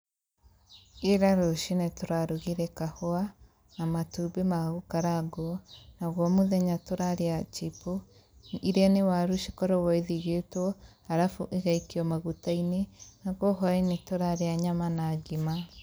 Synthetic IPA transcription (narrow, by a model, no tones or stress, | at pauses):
eɾaɾoʃinɛtoɾaɾuɣiɾɛkahoa | namatubemaɣukaɾaɡoɔnaɣwɔmoðɛɲatoɾaɾeat͡ʃipo | iɾeanewaɾuʃi̥kɔɾɔwɔeðiɣetɔ | aɾafuʔeɣaikiɔmaɣutainenaɣoɦwainetoɾaɾeaɲamanaɡima